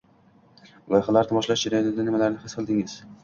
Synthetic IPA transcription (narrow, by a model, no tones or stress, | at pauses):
lˠɒjχalaɾd̪ɪbɒʃlaʃd͡ʒaɾajɒt̪ʰɪd̪anɪmalaɾnɪhɪsqʰɨlˠd̪ɪŋɪz̥